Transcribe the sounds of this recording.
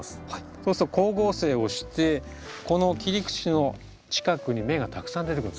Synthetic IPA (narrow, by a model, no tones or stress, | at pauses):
sɨ̥haiso̞ːsɾoko̞ːɡo̞ːse̞ːo̞ɕi̥t̪e̞ | ko̞no̞kʲiɾʲikɯ̟̥t͡ɕino̞ | t͡ɕi̥kakɯ̟ɲ̟ime̞ɡat̪akɯ̟̥sãnd̪eekɯ̟n